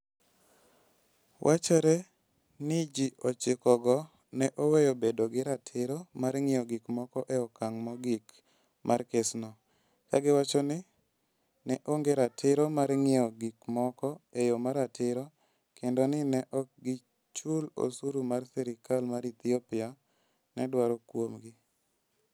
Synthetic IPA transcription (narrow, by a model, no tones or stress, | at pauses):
wʔat͡ʃɛɾɛ | nɪd͡ʒiʔɔt͡ʃɪkɔɡɔ | nɛʔɔwejɔbedɔɡɪɾatʰɪɾɔmaɾŋɪjɔɡɪkmɔkɔʔɛɔkaŋmɔɡik | mʔarkesnɔ | kaɡɪwat͡ʃɔnɪ | nɛʔoŋɡeɾatʰɪɾɔmaɾŋɪɔɡikmɔkɔejomaɾatʰɪɾɔ | kʰendonɪnɛʔɔk̚ɡɪ | t͡ʃulo̰suɾumarsɛɾɪkalmaɾit̪ɪɔpɪa | nɛdwaɾɔkwomɡɪ